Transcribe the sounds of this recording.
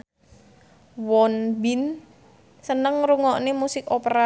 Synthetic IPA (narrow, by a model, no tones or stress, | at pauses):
wɔnbin | sənəŋɾuŋɔʔnemusɪkopəɾa